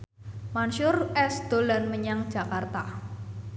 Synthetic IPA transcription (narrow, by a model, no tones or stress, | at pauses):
manʃʊrɛsd̪̥o̤lanməɲaŋ̥d͡ʒ̥a̤kart̪a